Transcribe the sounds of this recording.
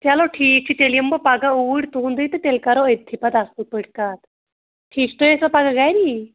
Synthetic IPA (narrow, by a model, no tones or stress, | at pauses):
t̪jalɔʈʰik̚t͡ɕʰit̪elijəmbəpaɡaoʋuɽt̪und̪əjt̪ət̪elkaɾɔəjd̪ʱːipat̪ast̪upəɽkat̪ | ʈʰiːsʈ̪ojesapaɡaɡajni